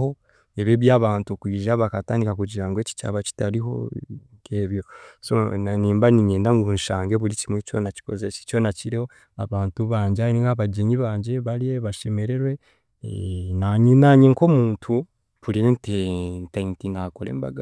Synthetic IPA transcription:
ho̞ | eβeβjaːβaːntukwiːʒaβakataːndikakuɟiɾaŋɡoeci̥t͡ʃa̰ːβaci̥taɾiɦo̞̰ŋkʰeːβjo̞sonaniːmbaniɲeːndaŋɡunʃaːŋɡeβuɾicimwet͡ʃonaci̥kozeʃet͡ʃo̞naciɾeho | aβaːntuβaːɲɟeaniŋaβaɟeɲiβaːɲɟe̞βaɾijeβaʃe̞me̞ɾe̞ɾwe̞ | naɲinaɲeŋko̞muːntʰu | βuɾiententeintinakoɾḛːmba̰ɡa

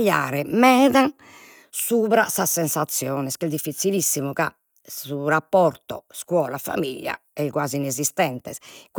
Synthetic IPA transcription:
ʎːa̰ːɾɛmɛːðan | suːβɾasasːɛnsat̪sːjɔːnɛskɛd̪ifːit̪silisːimuka̰ | suɾapːɔɾt̪ɔ̰skwɔːlafa̰miʎːja̰ɛkwaːzinezist̪ɛnt̪ɛ̰sk

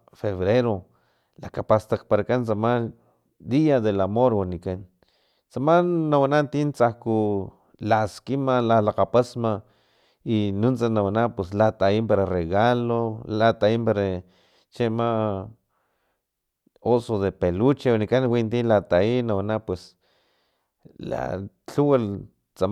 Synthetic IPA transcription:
feβɾeɾo | lakapast̪akpaɾakant͡sama | d̪iaðelamoɾwanikan | t͡samanːawanant̪int͡sahku | laskimalalaqapasma | inunt͡sanawanapweslat̪aimpaɾareɣalolat̪aimpaɾa | t͡ʃema | osoðepelut͡ʃewanikanwint̪ilat̪ainawanapwes | la̰ | t͡ɬuwal | t͡sa

